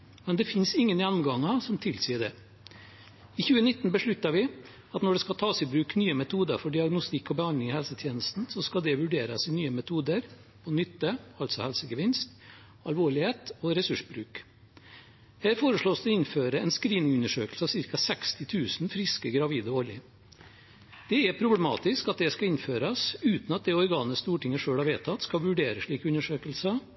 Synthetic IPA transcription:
mɛnd̪ɛfɪnsɪŋːənjænːʊmɡɑŋɑsɔmt̪ʰɪlsiːəɖɛ | ɪçʉːənɪt̪ːnbəʂɭʉt̪ːɑʋɪ | ɑt̪nɔɖɛskɑlt̪ʰɑːsɪbɾʉːknyːəmɛt̪ʰuːd̪əɾfɔɖɪɑɡnʊst̪ɪkːɔbəhɑnɪŋɪhɛlsət̪ʰjeːnəst̪n̩sɔskɑld̪ɛʋʉɖeːɾə̰sɪnyːəmɛt̪ʰuːd̪əɾ | pʰɔnʏt̪ːəɑlt̪sɔhɛlsəɡəʋɪnst̪ | ɑlʋoːɭɪheːt̪ɔɾɛsʉʂbɾʉːk | hæːɾfoːɾəʂɭoːsd̪ɛɪnføːɾəɛnskɾiːnɪŋʉnəʂøːkəlsəɑʋsɪɾkɑsɛkst̪ɪt̪ʰʉːsnfɾɪskəɡɾɑʋiːd̪əɔljɪ | d̪̥ɛɛpʰɾʊblɛmɑ̰ːt̪ɪskɑt̪̚d̪ɛskɑɪnføːɾɑsʉːt̪nɑt̪̚d̪ɛɔɾɡɑːnəst̪uːʈɪŋːəʂøːɽhɑɾʋeːt̪ʰɑt̪skɑʋʉɖeːɾəʂɭiːkəʉnəʂøːkəlsə

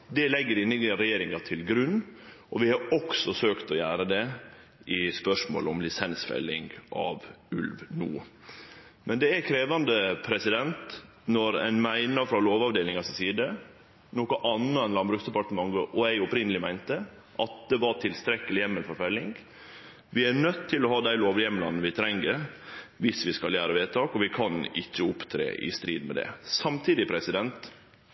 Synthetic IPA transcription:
d̪ɛlɛɡːəɾɪnːɪɾɛjeːɾɪŋɑt̪ʰɪlɡɾʉnːʔɔʋɪhɑɾɔksɔsøːkt̪ɔjæːɾəd̪ɛ | ʔɪspœʂmo̰ːlɔmlɪsɛnsfɛ̰lːɪ̰ŋɡʔɑ̰ʋʉ̰lʋnṵː | mɛnd̪ɛækʰɾeːʋɑnd̪əpʰɾɛsɪd̪ɛnt̪ | nɔɾæ̰ɪnmæɪnəɾfɾɑloːʋɑʋd̪eːlɪŋɑsɪsiːd̪ə | noːkəʔɑnːəɛnlɑnbɾʉt̪sd̪ɛpɑʈ̪əmɑŋɡəʔɔæɪɔpɾɪnəlɪmæɪnt̪ə | ʔɑt̪̚d̪ɛʋɑʈʰɪlst̪ɾɛkəlɪjɛmːəlfɔɾfœlːɪŋ | ʋɪænœt̪ʰːɪlɔhɑːd̪æɪloːʋjɛmlɑ̰n̩ʋɪt̪ʰɾɛŋːəɾʋɪsʋɪskɑljæːɾəʋeːt̪ʰɑːkɔʋɪkʰɑnɪ̰çːəʊpt̪ʰɾḛːʔɪ̰st̪ɾḭːd̪mɛ̰d̪ɛ̰sɑmt̪ʰiːd̪ɪpʰɾɛsɪd̪ɛnt̪

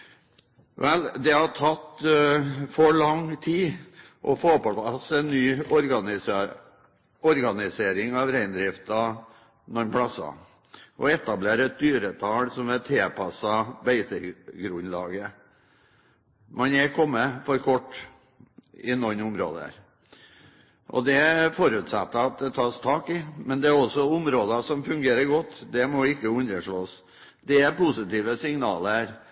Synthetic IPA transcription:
ʋɛld̪ɛhɑʈʰɑt̪ː | fɔɭɑŋt̪ʰiː | ʔɔfoːpɑpɑsɛnːyːɔɾɡɑnɪ | ɔɾɡɑnɪseːɾɪŋɑʋɾæɪnd̪ɾɪft̪ɑ | nɔnpʰɽɑsɑ̰ | ʔɔ̰ɛt̪ɑbleːɾɛt̪̚d̪yːɾət̪ʰɑːɽsɔmɛlt̪ʰɾeːpʰɑsɑbæɪt̪əɾɡɾʉnːlɑ̰ːɡə | mɑnɛkʰɔmːəfɔɾkʰɔʈː | ɪnɔnʊmɾo̰ːd̪ə̰ɾ | ʔɔ̰d̪ɛfɔɾʉːt̪sɑ̰t̪ːəɑt̪̚d̪ɛt̪ʰɑːst̪ʰɑːkɪmɛnd̪ɛæɾɔsːɔʊmɾoːd̪ɑsɔmfʉŋɡeːɾəɾɡɔt̪ːd̪ɛmɔʋɪkːəʉnːəʂɭoːs | d̪ɛæɾpusɪt̪iːʋəsɪŋnɑːləɾ

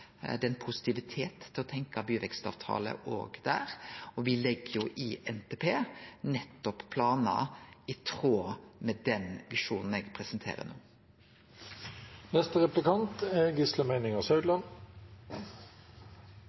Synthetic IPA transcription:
d̪ɛɛnpʰʊsɪ̥t̪ɪʋɪt̪ʰeːt̪ʰːɪlɔt̪ʰɛŋkɑbyːʋɛkst̪ɑ̰ʋt̪ʰɑ̰ːlə̰ʔo̰ːɡd̪æ̰ːɾɔʋɪlɛɡːəjʊʔɪʔɛnt̪ʰepʰeːnɛt̪ːɔppʰlɑːnɑ̰ɪt̪ʰʁoːmɛd̪ɛnʋɪʂuːnn̩eːɡpʰɾɛsənt̪ʰḛːɾə̰noː | nɛst̪əʁɛplɪkʰɑnt̪ɛɡɪsləmæɪnɪŋəsœʉd̪lɑn

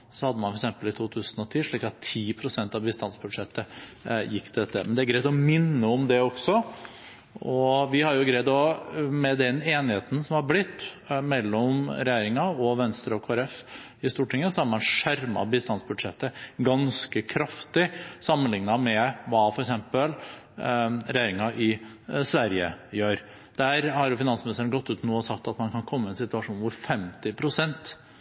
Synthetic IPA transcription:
sɔhɑd̪ːəmɑnfɔɾɛksɛmpəlɪt̪ʰuːt̪ʰʉːsənɔt̪ʰiːʂɭiːkɑt̪ʰːiːpʰɾʊsɛnt̪ɑʋbɪst̪ɑnsbʉd̪ʂɛt̪ːəjɪkːt̪d̪ɛt̪ːə̰mɛnd̪ɛæɾɡɾæɪt̪ɔmɪnːəɔmd̪ɛɔɡ̥sɔ | ɔʋɪhɑɾjʊɡɾæɪt̪ɔmɛd̪ɛneːnɪheːt̪n̩sɔmhɑɾblɪt̪ː | mɛlːɔmɾɛjæːɾɪŋɑɔʋɛnst̪ɾəɔkʰoːæɾɛf | ɪst̪uːʈɪŋːəsɔæɾmɑnʂæɾmɑ̰biːst̪ɑnsbʉd̪ʂɛt̪ːəɡɑnskəkʰɾɑft̪ɪsɑmːənlɪŋnɑmɛʋɑːfɔɾɛksɛmpəl | ɾɛjeːɾɪŋɑʔɪ | sʋæɾjə̰jøːɾ | d̪̥ææːɾhɑɾjʊfɪnɑnsmɪnɪst̪ɾənɡɔt̪ːʉːt̪noːɔsɑk̚t̪ːɑt̪mɑnkʰɑnkʰɔmːəɛnsɪt̪ʉɑʂuːnʋʊɾfɛmt̪ɪpʰɾʊsɛnt̪

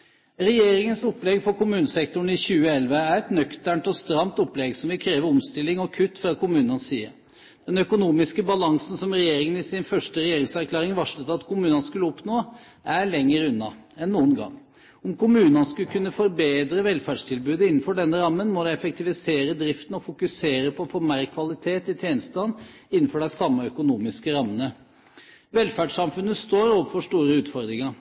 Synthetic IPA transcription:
ɾɛjeːɾɪŋənsɔpːlɛɡfɔɾkʊmʉːnəsɛkt̪ʊɳ̩ɪçʉːəɛlʋəæɾɛt̪nœkt̪æɳʈ̪ɔst̪ɾɑmt̪ɔpːlɛɡsɔmʋɪkʰɾeːʋəɾɔmst̪ɪlɪŋɔkʰʉt̪ːfɾɑkʰʊmʉːnənsːiːə | d̪̥ɛnœkʊnuːmɪskəbɑlɑŋsn̩sɔmɾɛjeːɾɪŋənɪsɪnfœʂʈəɾɛjeːɾɪŋsæɾkʰlæːɾɪŋʋɑʂlət̪ɑt̪kʰʊmʉːnɑnskʉlːəɔpnoː | ʔæɭɛŋːəɾʉnːɑɛnːuːənɡɑ̰ŋ | ɔmkʊmʉːnɑnskʉlkʰʉnːəfɔɾbeːd̪ɾəʋɛlfæɖʂt̪ʰɪlbʉːd̪əɪnːn̩fɔɖɛnːəɾɑmːənmɔd̪ɛɛfək̚t̪ɪʋɪseːɾəd̪ɾɪft̪nɔfʊkʉseːɾəpʰɔfɔɾmæɾkʰʋɑlɪt̪ʰeːt̪ɪt̪ʰjeːnst̪ɑn | ɪnːn̩fɔɖæɪsɑmːəœkʊnuːmɪskəɾɑmːənə | ʋɛlfæɖʂɑmfʉnːəst̪oːɾoːʋəfɔʂt̪uːɾəʉːt̪fɔɾd̪ɾɪŋɑɾ

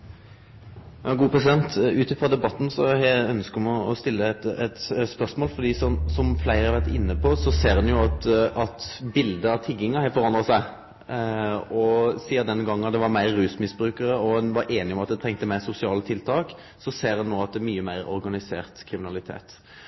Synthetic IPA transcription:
jɑːɡuːəpʰɾɛsɪd̪ɛnt̪ʉːt̪ɪfʁɑd̪ɛbɑt̪ːn̩sɔhœnskəɔmɔɔst̪ɪlːət̪ɛt̪spœɾsmoːlfɔɾd̪iːsɔmsɔmflæɪʁɑɾʋæʁt̪ɪ̰nːəpʰɔsɔseːɾʉnjʊɑt̪ʔɑt̪bɪld̪əɑʋt̪ʰɪɡːɪŋɑhɛɪfɔʁɑnd̪ʁəsæɪ | ɔsiːəɾd̪ɛnɡɑŋːnɑt̪d̪ɛʋɑɾmæɪɾːʉːsmɪsbɾʉːkəɾəɔhʉnʋɑɾʔeːnɪɔmɑt̪̚d̪ɛt̪ʰɛŋkt̪əmæɪsʊsɪɑːlət̪ʰɪlt̪ʰɑːk | sɔseːɾhʉnnoːɑt̪̚d̪ɛmyːəmæɪɾɔ̰ɾɡɑnɪsḛːʁt̪kʰɾɪmɪnɑlɪt̪ʰḛːt̪

